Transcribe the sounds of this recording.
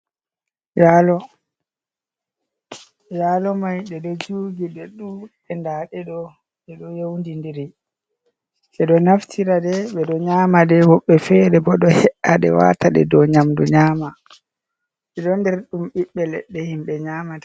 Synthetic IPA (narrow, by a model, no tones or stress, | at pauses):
jalɔ | jalɔmajɗɛdɔd͡ʒuːɡiɗɛɗu | ɛndaɗɛɗɔ | ɗɛɗɔjewndindiɾi | sɛɗɔnaftʰiɾadɛɓɛɗɔɲamadɛwɔɓːɛfɛɾɛbɔɗɔhɛʔaɗɛ̰wa̰taɗɛ̰dɔɲamdṵɲaːma | ɓɛɗɔndɛɾɗumɓiɓːɛlɛ̰ɗːɛhimɓɛɲaːmadɛ